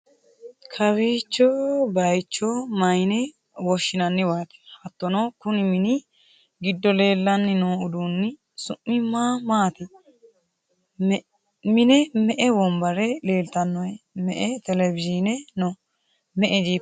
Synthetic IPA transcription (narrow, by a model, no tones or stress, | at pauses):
kʰɐβiːt͡ʃːɔbɐjt͡ʃːɔmɐjnɛ | wɔʃːɪnɐnːɪwaːt̪ɪ̥hɐt̪ːɔnɔkʊnɪmɪnɪ | ɡɪd̪ːɔle̞ːlːɐnːɪnoːʊd̪uːnːɪ | sʊmːɪmaːmaːt̪ɪ | mɪnɛmɛʔɛwɔmbɐɾɛle̞ːlt̪ɐnːɔjɛmɛʔɛt̪ɛlɛvɪd͡ʒinɛno | mɛʔɛd͡ʒiː